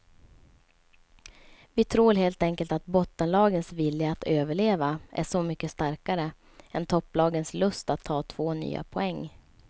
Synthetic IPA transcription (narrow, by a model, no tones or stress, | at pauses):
vɪt̪ʰɾuːɾɦeːlt̪ɛŋkəlt̪at̪̚bɔt̪ːənlɑːɡənsvɪljaːt̪ʰøːvəɭeːvaʔæ̰ʂɔmʏkːəst̪aɾkaɾə | ʔɛnt̪ʰɔpːlɑːɡənslɵst̪at̪ʰːɑːt̪ʰv̥oːny̰ːa̰pʰɔɛŋː